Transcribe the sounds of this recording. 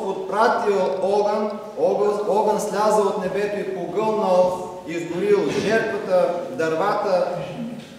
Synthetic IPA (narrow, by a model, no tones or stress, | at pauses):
ot̪̚pɾat̪ilˠɔɡən | ɔɡɔɡənslʲazəlˠot̪nɛbɛt̪oipoɡɤlˠnəlˠ | izɡ̪ʊɾilˠʒɛɾt̪vət̪əd̪ɐɾvat̪ə